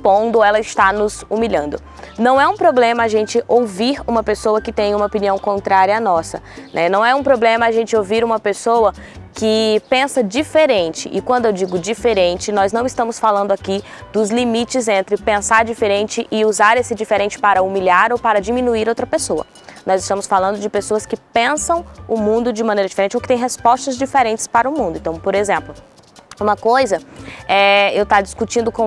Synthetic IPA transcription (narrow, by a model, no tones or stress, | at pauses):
spõd̪ʊɛlɐɪst̪anʊzumiʎɐ̃nd̪ʊ | nɐ̃w̃ɛũpɾoblẽmɐaʒẽnt͡ʃɪowviɾũmɐpesowɐkɪt̪ẽj̃ũmɐopiniɐ̃w̃kõnt̪ɾaɾjɐanɔsɐ̰ | nʔɛnɐ̃w̃ɛũpɾoblẽmɐaʒẽt͡ʃɪowviɾũmɐpesowɐ | kɪpẽsɐd͡ʒifeɾẽnt͡ʃɪ̰ʔɪkwɐ̃nd̪ʊewd͡ʒiɡʊd͡ʒifeɾẽnt͡ʃɪnɔznɐ̃w̃ɪst̪ɐ̃mʊsfalɐ̃nd̪ʊaki | d̪ʊzlimit͡ʃɪzẽnt̪ɾɪpẽsaɾd͡ʒifeɾẽnt͡ʃɪʔɪuzaɾesɪd͡ʒifeɾẽnt͡ʃɪ̥paɾɐumiliaɾowpaɾɐd͡ʒimĩnuiɾowt̪ɾɐpesoɐ̰ | nɔzɪst̪ɐ̃mʊsfalɐ̃nd̪ʊd͡ʒɪpesoɐskɪpẽsɐ̃w̃ʊmũnd̪ʊd͡ʒɪmɐ̃nejɾɐd͡ʒifeɾẽnt͡ʃowkɪ̥t̪ẽj̃ɦespɔst̪ɐzd͡ʒifeɾẽnt͡ʃɪ̥spaɾɐʊmũd̪ʊẽt̪ɐ̃w̃poɾezẽmplʊ | ũmɐkojzɐɛewt̪ad͡ʒiskut͡ʃĩnd̪ʊkõ